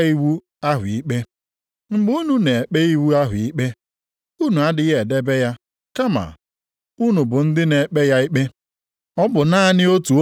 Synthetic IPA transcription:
i˦wu˦ | a˦ɦʊ˨i˦k͡pe˦ | ŋ͡m̩˦˨ɡ͡bu˦u˦nu˦ne˨e˨k͡pe˦i˦wu˦a˦ɦʊ˨i˦k͡pe˦ | u˦nu˨a˦dɪ˨ɣe˨de˦be˦ja˦ | ka˦ma̰˨ | u˦nu˨bʊ˨n̩˦dɪ˦ne˨k͡pe˦ja˦i˦k͡pe˦ | ɔ˦bʊ˨na˦˨nɪ˦o˦tu˨o˦

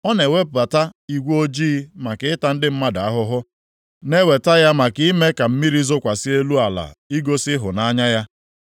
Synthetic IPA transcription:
ɔ˦ne˨we˦p̚ba˨ta˦i˨ɡʷo˦d͡ʒiː˦ma˨kɪ˨ɪ˦ta˨n̩˦dɪ˦m̩˦ma˦da˨a˦ɦʊ˦ɦʊ˦ | ne˦we˨ta˦ja˦ma˨kɪ˦i˦me˦ka˨m̩˦mi˦ɾi˦zʊ˦kʷa˨si˦e˦lu˦a˨la̰˨i˦ɡo˦sɪ˦ɦʊ˨na˦ɲa˦ja˦

